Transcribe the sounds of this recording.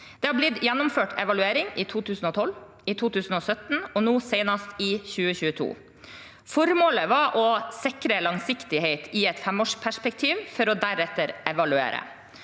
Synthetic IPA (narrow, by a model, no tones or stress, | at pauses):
d̪̥ɛhɑblɪd̪jɛnːʊmføːʈɛ̰ʋɑlʉeːɾɪŋɪt̪ʰuːt̪ʰʉːsn̩ɔt̪ʰɔl | ɪt̪ʰuːt̪ʰʉːsn̩ɔsœt̪n̩ɔnuːseɪnɑst̪ɪːçʉːəçʉːət̪ʰṵː | fɔɾmoːləʋɑʔɔsɪkɾəlɑŋsɪkt̪ɪheɪt̪ʰɪɛt̪fɛmoːʂpʰæʂpɛkt̪ʰiːʋfɔɾɔd̪æɾɛt̪ːəɾʔɛʋɑlʉḛːɾə̰